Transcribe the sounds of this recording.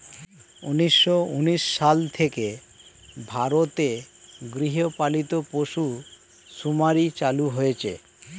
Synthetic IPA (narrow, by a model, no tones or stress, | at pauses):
ṵniʃːouniʃːalt̪ʰeke | bʱaɾot̪eɡɾiɦopalit̪opoʃu | ʃumaɾit͡ɕaluɦojet͡ɕʰḛ